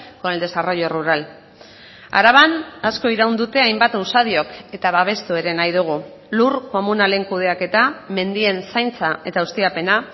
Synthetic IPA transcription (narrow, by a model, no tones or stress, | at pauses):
koeld̪e̞saro̞jo̞ruɾal | a̰ɾaβanasko̞iɾawnd̪ut̪e̞ajmbat̪usaðioke̞t̪aβaβ̞e̞st̪ue̞ɾe̞najðuɣ̞u | lurko̞munale̞ŋkuð̞e̞ake̞t̪ame̞nd̪ie̞nsajnt͡sae̞t̪aust̪iape̞na